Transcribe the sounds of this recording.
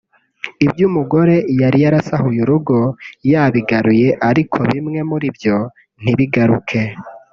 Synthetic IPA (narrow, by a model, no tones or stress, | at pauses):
ibjumuɡo̞ɾe̞jaɾijaɾasahujuɾuɡo̞jaβiɡaɾuje̞ʔaɾikʰoβimŋe̞muɾibjo̞ | n̥iβiɡaɾukʰe̞